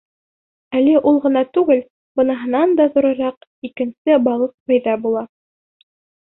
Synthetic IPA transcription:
ælɘʔulˠʁɤ̆nɑt̪ʉɡɘl | bɤ̆nɑɦɤ̆nɑnd̪ɑðuɾɤ̆ɾɑqikɘ̆nsɘbɑlˠɤq̚pɘ̆jðɑbulˠɑ

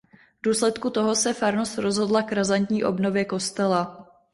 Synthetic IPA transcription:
vduːslɛt̪kut̪o̞ɦo̞sɛfaɾnosɾo̞zɦo̞dlakɾazant̪ɲiːʔo̞bno̞vjɛko̞st̪ɛla

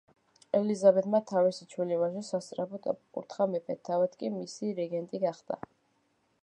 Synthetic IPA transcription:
ɛlizabɛt̪ʰmat̪ʰavisit͡ʃʰwilivaʃɛsast̪sʼɾapʰɔt̪ʼa̰pʼkʼṵɾt̪ʰχamɛpʼɛt̪ʰːavɛt̪ʰkʼimisiɾɛɡɛnt̪ʼiɡaχd̪a̰

